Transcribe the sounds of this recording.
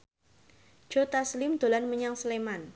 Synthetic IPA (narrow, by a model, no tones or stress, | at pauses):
d͡ʒ̥ot̪aslɪmd̪̥o̤lanməɲaŋsəleman